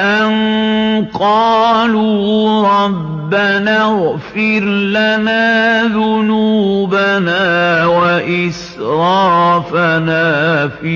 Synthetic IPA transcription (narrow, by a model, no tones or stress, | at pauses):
ʔan | qɑːluːɾˤɑbːanaːɣfɪɾlanaːðʊnuːbanaːwaʔɪs | ɾˤɑːfanaːfi